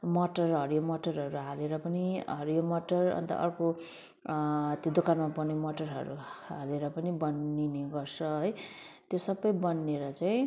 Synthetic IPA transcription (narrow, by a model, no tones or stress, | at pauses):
mʌʈʌrɦʌɾujomʌʈʌrɦʌɾuɦaleɾʌpʌniɦʌɾujomʌʈʌrʌ̰nt̪ʌ̰ʔʌ̰rko | t̪jod̪okanmapʌnemʌʈʌrɦʌ̰ɾṵaleɾʌpʌnibʌnːineɡʌrsʰʌɦʌj | t̪josʌbʌjbʌnːeɾʌt͡saĩ